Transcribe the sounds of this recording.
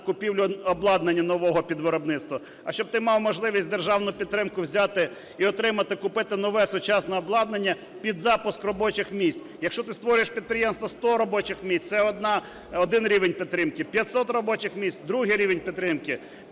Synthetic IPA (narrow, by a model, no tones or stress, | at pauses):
kʊpʲiwlʲʊɔblˠɑd̪nenʲːɐnɔʋɔɦɔpʲid̪ʋɪɾɔbnɪt̪st̪ʋɐ | ɐʃt͡ʃɔb̚t̪ɪmɑwmɔʒlˠɪʋʲisʲtʲd̪erʒɑwnʊjʊpʲit̪ːɾɪmkʊwzʲɑt̪ɪ | iɔt̪ɾɪmɐt̪ɪkʊpɪt̪ɪnɔʋɛsʊt͡ʃɑsnɔɔblˠɑd̪nenʲːɐ | pʲid̪zɑpʊskrɔbɔt͡ʃɪxmʲisʲt͡sʲ | jɐkʃt͡ʃɔt̪ɪst̪ʋɔɾʲʊjeʃpʲid̪̚pɾʲɪjemst̪ʋɔst̪ɔɾɔbɔt͡ʃɪxmʲisʲt̪ʲsɛɔd̪nɑ | ɔd̪ɪnɾʲiʋenʲpʲit̪ːɾɪmkɪpʲjɐt̪sɔt̪rɔbɔt͡ʃɪxmʲisʲtʲd̪ɾuɦɪjɾʲiʋenʲpʲit̪ːɾɪmkɪ